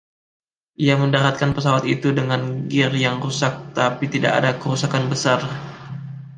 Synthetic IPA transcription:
ʔiaməndaɾat̪̚kanpəsawat̪it̪udəŋanɡɪrjaŋrusak̚t̪apit̪ida̰ka̰dakəɾusakanbəsar

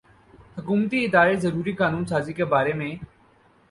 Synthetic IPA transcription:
hʊkuːmt̪iɪd̪aːɾezɐɾuːɾikaːnuːnsaːzikebaːɾemẽː

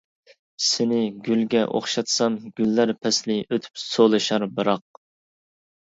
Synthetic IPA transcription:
sɪnɪɡʲylɡʲɛʔo̰χʃɑt̪sɑmɡʲylːæɾpʰɛslɪʔøt̪ʰy̥psolˠɨʃɑɾbɨɾɑq̚

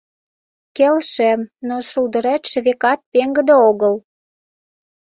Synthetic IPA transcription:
kelʃĕmnoʃuld̪əɾæt̪ʃĕβekɑt̪̚peŋɡə̆d̪eoɣəl

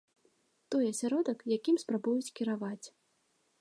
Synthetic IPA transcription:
t̪ɔjɐsʲaɾɔd̪ɐkjakʲimspɾabujut͡sʲkʲiɾavat͡sʲ

